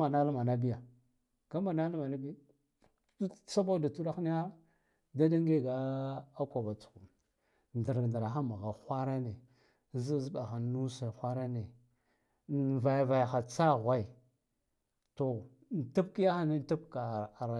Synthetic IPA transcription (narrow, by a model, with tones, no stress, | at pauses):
a˨na˦lma˨na˦bi˦ja˨ | ka˦ma˨na˦lma˨na˦b | sa˦ba˦da˨tu˦ɾa˦xni˦a˦ | da˦da˦ŋɡe˦˨ɡa˦a˦kʷa˨ba˨t͡su̥˨ku˨ | nda˨ɾɡnda˨ɾa˨xa˦ma˨ɣa˨xʷa˦ɾa˦ne˨˦ | zi˦zɓa˨xa˨nu˦sa˨xʷa˦ɾa˦ne˨ | va˨jva˨jxa˨t͡sa˦˨ɣʷa˦i˨ | to˨ | n˨ta˦p̚ki˦ja˦xa˦ni˦ta˦b̚ka˨ɾa˨